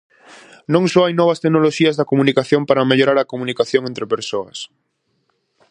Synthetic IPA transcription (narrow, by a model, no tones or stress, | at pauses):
nõŋsoajnɔβ̞ɐst̪eɡnoloʃiɐzðɐkomunikaθjõmpaɾɐmeʎoɾaɾɐkomunikaθjoŋent̪ɾepeɾsoɐs